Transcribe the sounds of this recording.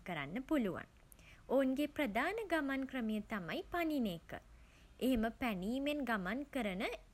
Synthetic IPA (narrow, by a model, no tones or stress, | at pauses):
kəɾa̰nːəpuluʋa̰n | ounɡeprəd̪aːnəɡamankrəmijət̪amajpaninekə̰ | ʔeɦeməpæniːmenɡamankəɾənə